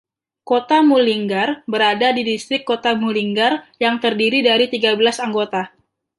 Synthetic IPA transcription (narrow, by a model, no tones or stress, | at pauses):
kot̪amuliŋɡarbəɾadadidist̪ɾɪkːot̪amuliŋɡarjaŋt̪ərdiɾidaɾit̪iɡabəlasaŋɡot̪a